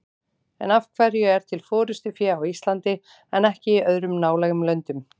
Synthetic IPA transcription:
ɛ̰nafkʰvɛɾjʏɛɾ̥t̪ʰɪlfɔːɾʏst̪ʏfjɛːawist̪lant̪ɪ | ɛnɛhcɪːœðɾʏmnaːwlɛɣʏmlœnt̪ʏm

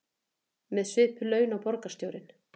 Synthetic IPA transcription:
mɛðsvɪːhpʏlœːɥnawpɔɾkḁst̪joːwɾɪn

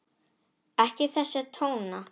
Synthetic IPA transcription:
ɛhcɪθɛsːɪt̪ʰoːwna

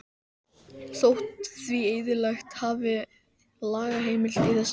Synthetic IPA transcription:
θowht̪θvieːjðɪlajxt̪haːvɪ | laːɣaɦeːjmɪlt̪ɪθɛs

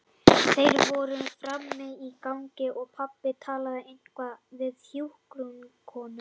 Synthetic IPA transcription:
θejɾvɔɾʏfɾamːɪikawŋcɪʔɔɣpʰapːɪt̪ʰaːlaðɪejn̥kʰvavɪðθjuwhkɾunkʰɔːnʏ

